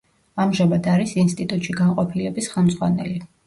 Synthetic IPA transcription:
amʒamad̪aɾisinst̪ʼit̪ʼut̪ʼʃiɡaɴqʼɔpʰilɛbisχɛmd̪zʁwanɛli

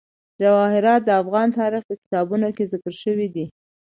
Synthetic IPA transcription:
d͡ʒawɑhɪɾɑt̪̚d̪əafɣɑnt̪ɑɾɪxpəkɪ̥t̪ɑbunokezɪkəɾʃəwid̪i

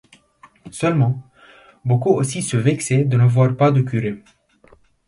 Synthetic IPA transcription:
sœlmɑ̃ | bokuosisəvɛksɛd̪ənavwaʁpad̪əkʲyʁe

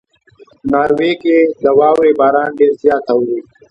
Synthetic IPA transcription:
naːɾweːked̪əwaːwebaːɾaːnɖeːɾzjaːt̪awɾiː

